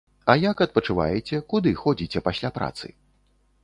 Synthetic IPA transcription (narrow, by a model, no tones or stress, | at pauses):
ɐjakɐt̪̚pɐt͡ʂɨva̰jɛt͡sʲɛkud̪ɨxɔd͡zʲit͡sʲɛpasʲlʲapɾa̰t̪sɨ̰